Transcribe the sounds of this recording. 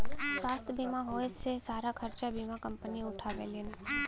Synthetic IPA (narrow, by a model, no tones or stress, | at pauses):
swaːst̪ʰəbʱiːmaɦoːsːesaːɾakʰɐɾt͡ʃabʱiːmakɐ̃mpəniʊʈʰaʋḛːlin